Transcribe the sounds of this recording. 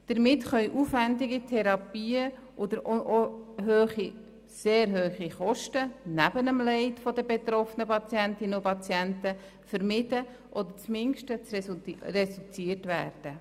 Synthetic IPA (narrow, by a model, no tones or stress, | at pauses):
d̥əɾmɪtχœʏʔufʋændɪɡitʰɛɾɑpiːə | ʔɔd̪əɾoʔoɦøːχi | seːɾɦøːχiχɔʃtənæbənəmlɛɪtfɔdəbet̪ɾɔfnəpɑt͡sjæntɪnəʊpɑt͡sjæntə | fəɾmɪdə | ʔɔd̪ət͡smɪŋʃtət͡srɛsut͡siərtʋæːrd̥ə